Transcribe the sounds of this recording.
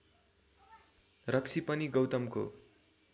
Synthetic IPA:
rʌkt͡sʰipʌniɡʌwt̪ʌmko̰

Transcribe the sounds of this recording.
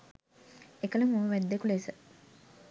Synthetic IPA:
ekələmoʋəʋæd̪ːekulesə

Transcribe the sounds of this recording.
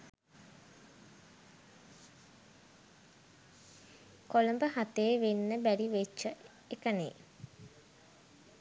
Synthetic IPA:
koləmbəɦat̪eːʋenːəbæɾiʋet͡ʃːə | ekənḛ

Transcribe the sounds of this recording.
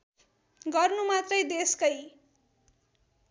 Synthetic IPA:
ɡʌrnumat̪rʌjd̪eskʌj

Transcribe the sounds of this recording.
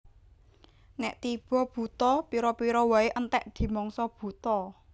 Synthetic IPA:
nɛ̰ʔt̪ib̥ɔ̤b̥ṳt̪ɔpiɾɔpiɾɔwaeʔənt̪ɛʔd̪̥i̤mɔŋsɔb̥ṳt̪ɔ

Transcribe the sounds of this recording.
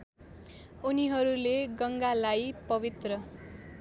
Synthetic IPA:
uniɦʌɾuleɡʌŋɡalajpʌbit̪rʌ

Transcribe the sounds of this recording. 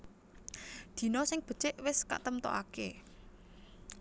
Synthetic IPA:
d̪̥i̤nɔsɪŋb̥ə̤̥t͡ʃɪʔwɪska̰ʔt̪əmt̪ɔ̰ʔake

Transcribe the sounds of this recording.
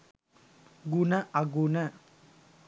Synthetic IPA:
ɡunəʔaɡunə

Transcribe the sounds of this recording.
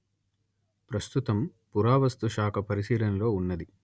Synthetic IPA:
pɾɐst̪ut̪ɐmpuɾaːʋɐst̪uʃaːkʰɐpɐɾisiːlɐnɐlo̞ːunːɐd̪i

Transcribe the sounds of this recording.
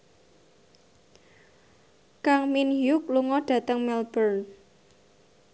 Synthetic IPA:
kaŋminjʊk̚luŋɔɖ̥ä̤t̪əŋmɛlb̥ərn

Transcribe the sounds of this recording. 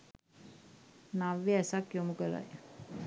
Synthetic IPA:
naʋiɛsakjomukəɾa̰j

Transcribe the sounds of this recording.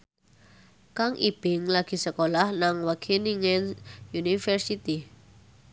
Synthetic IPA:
kaŋʔib̥ɪŋlaɡ̥i̤səkolahnaŋwakʰeniŋɛnjunifərsit̪i

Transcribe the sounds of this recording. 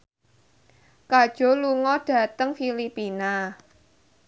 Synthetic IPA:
kad̥ʒ̥ɔ̤luŋɔɖ̥ä̤t̪əŋfilipina

